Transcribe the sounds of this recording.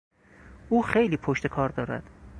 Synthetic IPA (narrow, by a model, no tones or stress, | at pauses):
uːxejliːpʰoʃt̪e̞kʰɒːɾd̪ɒːɾæ̰d̪̥